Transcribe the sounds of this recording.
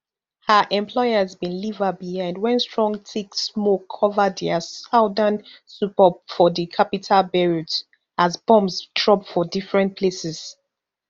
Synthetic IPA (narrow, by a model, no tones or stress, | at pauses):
həʔɛ̃mpʰlɔɪəzbĩnlivəbihãɪ̃ndwɛ̃nstɹɔ̃ŋtʰeksmokʰːɔvədɛəsaʊdənsupɔpfɔðikʰapitʰalbɛɹut | azbɔ̃msdɹɔbfɔdifɹɛ̃ntpʰlesɛz̥